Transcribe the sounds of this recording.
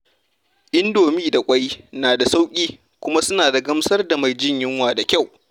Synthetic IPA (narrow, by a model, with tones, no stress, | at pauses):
ʔɪ˦ndoː˨miː˦da˨kʷʼa˦jnaː˨da˨sa˦wkʲʼiː˦ | kʷʊ˦ma˦sʊ˦naː˨da˨ɡɐ˦msɐ˦rda˨ma˨jd͡ʒɪ˦ɲjɪ˦ŋwaː˨da˨kʲa˦˨w